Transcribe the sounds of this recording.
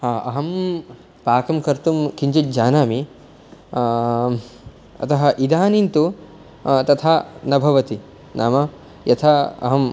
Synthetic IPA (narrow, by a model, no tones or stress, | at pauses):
haːɐ̰ɦɐm | paːkɐmkɐɾt̪umkiɲd͡ʒit̪̚d͡ʒaːnaːmi | ɐ̰t̪ɐɦɐ̆ʔid̪ʱaːnint̪u | t̪ɐt̪ʰanɐbʱɐʋɐt̪i | nʔa̰ːmɐ | jɐt̪ʰɐɐ̰ɦɐm